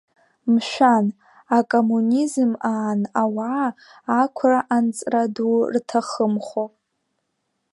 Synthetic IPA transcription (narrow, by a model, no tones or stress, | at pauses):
mʃʷᶣan | akʼomunizmaːnawaː | kʷʰraʔant͡sʼradurtʰaχəmχo